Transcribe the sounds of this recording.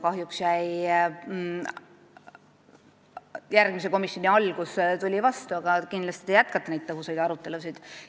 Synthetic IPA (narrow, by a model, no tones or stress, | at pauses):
kɑɦjuksjæj | jærɡ̥mise̞ko̞misjo̞nʲiɑlkust̪ulʲivɑst̪uɑɡ̥ɑkind̪lɑst̪id̪ejæt̪̚kɑt̪ːˑɑnejdt̪t̪ːɤɦusejd̪ɑɾut̪ˑːe̞lusid̪̥